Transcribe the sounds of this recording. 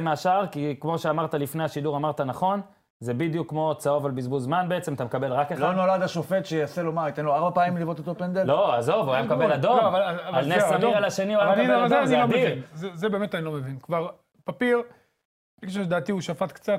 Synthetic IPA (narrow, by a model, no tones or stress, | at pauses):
maaʃaʁkikmo̞ʃeamaʁt̪alifneaʃid̪uʁamaʁt̪anaχo̞n | zebid̪jukːmo̞t͡sao̞valbizbulzmanbeet͡semat̪amkabelʁakelono̞lad̪aʃo̞fe̞t̪ʃejase̞lo̞mait̪enloaʁbapaːmimlivot̪ot̪opend̪elo̞azo̞vuajamkabelad̪ooavalavalnessamiʁalaʃe̞nioaazezelomdinzezebemet̪anilo̞mevinkvaʁ | papiʁ | ikaʃ̬oʃd̪aːt̪iuʃafat̪kt͡sat̪